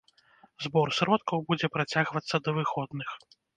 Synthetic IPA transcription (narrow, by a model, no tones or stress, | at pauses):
zbɔrsɾɔt̪̚kɐwbud͡zʲɛpɾat͡sʲaɣvɐt̪sːɐd̪ɐvɨxɔd̪nɨx